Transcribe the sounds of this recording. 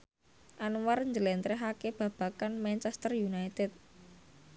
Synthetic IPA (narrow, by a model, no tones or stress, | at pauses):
ʔanwarɲd͡ʒəlɛnt̪ɾeɦakeb̥a̤b̥a̤kanmant͡ʃɛst̪ərjunajt̪ɛt̪̚